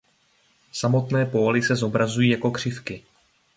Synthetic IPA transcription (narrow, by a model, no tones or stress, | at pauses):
samo̞t̪nɛːpo̞ːlɪsɛzo̞bɾazujiːjako̞kr̝̥ɪfkɪ